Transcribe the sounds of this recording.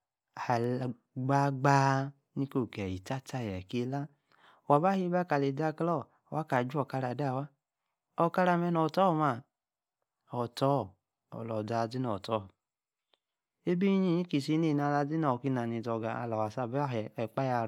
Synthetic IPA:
a˨l | ɡ͡ba˦ɡ͡ba˦ | ni˦ko˦˨kɛ˨ji˨ta˦ta˧˦˨jɛ˨ke˦la˦˨ | wa˨ba˦hi˦ba˦ka˨le˨da˧˦klɔ˦˨wa˨˦ka˨d͡ʒu˦ɔ˨ka˧ɾa˨da˦˨wa˦ | ɔ˧ka˧ɾa˧˨mɛ˧nɔ˨tɔ˦˨ma˧˨ | ɔ˨tɔ˦˨ | ɔ̰˨lɔ˨da˧˨d͡zi˦nɔ˨tɔ˨˦˨ | e˦bi˦i˦ɲi˦ɲi˦ki˧˨si˧˦ne˦˨na˧˨la˧d͡zi˦nɔ˨ki˦na˨ni˧˨dɔ˧˨ɡa̰˨a̰˧˨lɔ˨wa˨sa˦˨bɛ˦ɦɛ˨ɛ˨k͡pa˦ja˧

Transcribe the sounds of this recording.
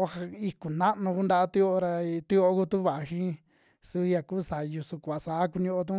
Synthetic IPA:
o˦ha˧i˧ku˨nã˦ʔnũ˧ku˦nd̪a˧a˦t̪u˦o˧o˧ɾa˧t̪u˦o˧˦ku˦t̪u˦βa˨a˧ʃĩ˦ | su˧ja˧ku˦sa˨˧ju˧su˧kʷa˨sa˨˦ku˧ɲũ˧ʔo˧t̪̬ũ˦

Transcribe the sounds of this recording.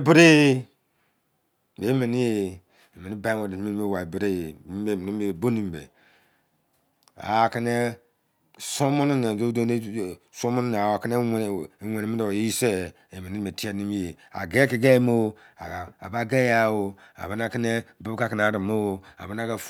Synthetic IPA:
bi˦ɾe˦ | be˨˦mi˨ni˦je˨ | e˨mi˨ni˦ba˦ŋo˨di˨˦mi˦e˦˨wa˨i˨bi˨ɾe˦˨˦e˨mi˨ni˦m˦e˦˨bo˦ni˦m˨bḛ˨ | a̰˨a˨ki˦ne˦ | so˦mo˦nu˦ne˨o˦do˦e˦˨so˦mo˦n˦ne˨a˨wa˨ki˦ne˦˨wʷe˨ne˨mi˦o˨˦i˦se˦ | e˨me˨ni˦me˨ti˦a˦ni˦m˦e˨ | a̰˨ɡe˦ki˨ɡe˦mo˦ | a˨a̰˨ba˦ɡe˦ja˦˨wo˨ | a̰˨ba˨˦na˦ki˦ne˦bu˦bka˦ki˨n˨a˨˦ɾi˨mo˦a̰˨ba˦n˦a˦ɡa˨

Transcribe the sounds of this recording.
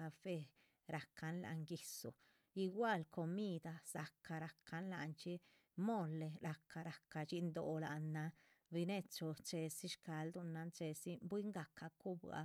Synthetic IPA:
a˧fe˧ | ɾa˨kʰa˧nla̰˧ŋɡi˧sṵ˨ | i˧ɡwa˦˧lkʰo˧mi˦d̪a˧sa˨ka˧ɾa˨kʰa˧nla̰˧nt͡ʃi˦ | mo˦le˧ɾa˧ka˧ɾa˨ka˧t͡ʃi˧nd̪o˨la˨nːa˧ | bi˧ne˦˧t͡ʃo˧t͡ʃe˧si˦ʃka˧ld̪u˧na˧nt͡ʃe˧si˦bwi˦ŋɡa˨kʰa˧ku˦ba̰˧

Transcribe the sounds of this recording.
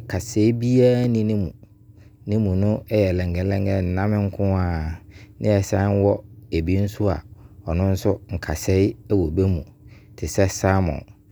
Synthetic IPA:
kʰa˨sɛ˦i˦bi˦aː˦nĩ˦nɪ̃˦mṵ̃˨ | nɪ̃˦mũ˨nʊ̃˦ɛ˦jɛ˨lɛ̃˨ŋɡɛ̃˨˦lɛ̃˦ŋɡɛ˨n̩˨nã˦mɪ̃˦ŋ̩˦kʰʊ̃˦a˦˨nɪ̰̃˦ɛ˨sã˦n˦wɔ˦e˨bi˦n̩˦sʊ˦a̰˨ɔ˨nʊ̃˦n̩˦sʊ˦ŋ̩˨kʰa̰˨sɛ˨˦ɪ˦ɛ˦wo˨be˦mũ˨ | tʰɪ˨sɛ˦sa˦mɔ̰̃˨

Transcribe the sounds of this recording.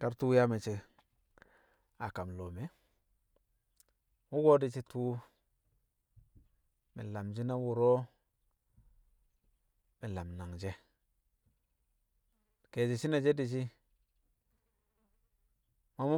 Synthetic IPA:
ka˦ɾtu˦ja˦me˨t͡ʃi˦ | a˨ka˨mlo˨me˨ | wu˦ɡo˦di˨t͡ʃi˦tuː˦ | mḭ˨la˨md͡ʒi˦na˦wu˨ɾo˦ | mi˨la˨mna˨ŋd͡ʒe˦ | ke˨d͡ʒi˨t͡ʃi˦na˨d͡ʒe˦di˨t͡ʃi˦ | ma˦mu˦

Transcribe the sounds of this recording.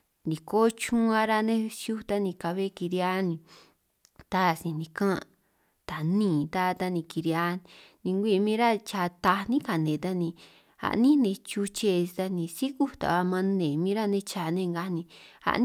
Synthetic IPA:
ndĩ˨ko˦t͡ʃũ˦ã˧ɾa˦˧nẽ˦˧sju˦t̪a˦nĩ˧ka˧βe˦ki˧ɾja˦nĩ˧ | t̪a˦˨sĩ˨nĩ˧kã˦ | t̪a˨nĩː˦˨˧t̪a˦˧t̪a˧nĩ˧ki˧ɾja˧˦nnĩ˧ŋɡʷi˦˧mĩː˦ɾa˦t͡ʃa˧˨t̪a˧nĩ˦ka˨nẽ˨t̪a˧nĩ˧ | a̰˨ʔnĩ˦nẽ˧t͡ʃu˧t͡ʃe˧t̪a˧nĩ˧si˦ku˦t̪a̰˨βa˧mã˧nẽ˨mĩː˦ɾa˦˧nẽ˧t͡ʃa˧˨nẽ˦˧ŋɡa˧nĩ˧a̰˧n

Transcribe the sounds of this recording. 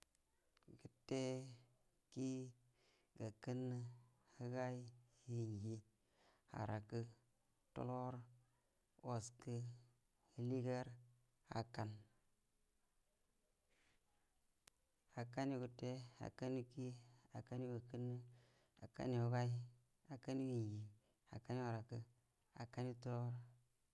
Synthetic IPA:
ɡə˨tːe˦ | ki˦ | ɡa˨kə˦nːɨ˦ | hə˦ɡa˦i˦hi˨n˨ɡi˦ | ha̰˨ɾa˨kə˦ | to̰˦lo˦ɾ | wo˨skɨ˦ | li˦ɡe˦ɾ | a̰˨ka˨n | a˨ka˦ni˦ɡu˨te˦a̰˨ka˦ni˦ki˦a˨ka˦ni˦wa˨kə˦nːɨ˦ | a˨ka̰˦ni˨u˦ɡa˦i˦ | a˨ka˦ni˦ji˨nɡi˨ | a̰˨ka˦ni˦a˨ɾa˨kə˦ | a̰˨ka˦ni˦to˦lo˦ɾ

